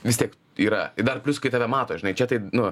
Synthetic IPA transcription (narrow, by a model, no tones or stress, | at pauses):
ʋʲɪst̪ʲiɛk | iːɾɐ̰t̪ɐɪd̪ɐrpʲlʲʊskɐɪt̪ɑːʋʲɛmɑːt̪oːʒʲɪnɐɪt͡ʃʲɛt̪ɐɪnʊ